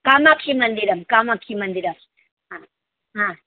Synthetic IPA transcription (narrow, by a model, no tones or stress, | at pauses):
kaːmakʰimɐnd̪iɾɐmkamakʰimɐnd̪iɾɐm | ã | ɦã